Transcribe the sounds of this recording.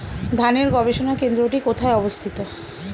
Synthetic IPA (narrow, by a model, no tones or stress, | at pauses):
d̪ʱaniɾɡɔbeʃonakend̪ɾoʈikot̪ʰaeɔbost̪ʰit̪o